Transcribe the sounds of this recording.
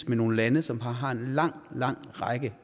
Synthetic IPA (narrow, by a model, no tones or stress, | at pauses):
smeno̝ːn̩lænəsɒ̽mɦɑ̈ɦɑ̈e̝nlɑ̈ŋ̰lɑ̈ŋ̰ʁɑɪɡ̥ə